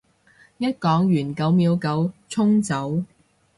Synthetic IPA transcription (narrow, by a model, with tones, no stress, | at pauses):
jɐ˥t̚kɔː˨˥ŋjyː˨˩nkɐ˨˥wmiː˨˧wkɐ˨˥wt͡ʃʰʊ˥ŋt͡sɐ˨˥w